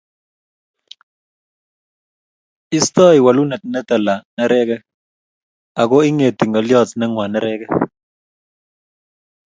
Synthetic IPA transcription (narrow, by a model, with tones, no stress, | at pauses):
ɪ˦st̪ɔ˦ɪ˨wa˨lu˦na˨tnɛ˦t̪a˨la˨nɛ˦ɾɛ˦kɛ˦ | a˨kɔ˦ɪ˦ŋe˨t̪i˨ŋɔ˨ljɔ˦˨tnɛ˦ŋwa˨nɛ˦ɾɛ˦kɛ˦